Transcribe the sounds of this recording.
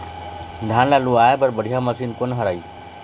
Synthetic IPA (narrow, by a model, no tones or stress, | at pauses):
d̪ʱaːnlaluaːepəɾbəɽʱijaməsiːnkonɦəɾaːiː